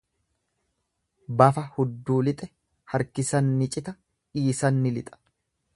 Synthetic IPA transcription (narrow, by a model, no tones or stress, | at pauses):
bɐfɐhʊd̪ːuːlɪt̪ʼɛ | hɐɾkɪsɐnːɪt͡ʃʼɪt̪ɐ | ᶑiːsɐnːɪlɪt̪ʼɐ̥